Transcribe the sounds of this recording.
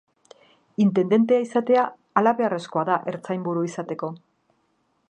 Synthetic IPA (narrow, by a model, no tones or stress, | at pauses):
int̪e̞nd̪e̞nt̪e̞aisat̪e̞aː | laβe̞are̞sko̞aðaʔe̞ɾt͡sajmbuɾuisat̪e̞ko̞